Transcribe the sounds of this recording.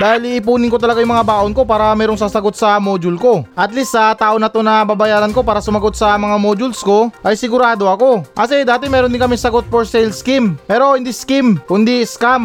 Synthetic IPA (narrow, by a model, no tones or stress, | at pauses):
d̪aːhɪlɪʔɪpuːnɪnko̞t̪ɐlɐɡajʊŋmɐŋabaːʔonko̞paːɾɐmɛːɾo̞ŋsaːsɐɡo̞t̪̚sɐmoːd͡ʒʊlko̞ʔɐt̪lisːɐt̪aːʔonɐt̪onɐbabɐjaːɾɐnko̞paːɾɐsʊmɐɡo̞t̪̚sɐmɐŋamoːd͡ʒʊlsko̞ʔɐjsɪɡʊɾaːd̪o̞ɐko̞ʔɐsɛd̪aːt̪ɪmɛːɾond̪ɪŋkɐmɪsɐɡo̞t̪̚poɾsɛjlskɪmpɛːɾo̞hɪnd̪iskɪmkʊnd̪iskam